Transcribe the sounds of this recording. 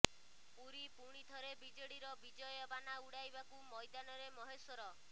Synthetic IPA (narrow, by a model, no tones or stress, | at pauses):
puɾipuɽ̃it̪ʰɔɾebid͡ʒeɽiɾɔbid͡ʒɔjɔbanauɽajbakumɔjd̪anɔɾemɔɦesɔɾɔ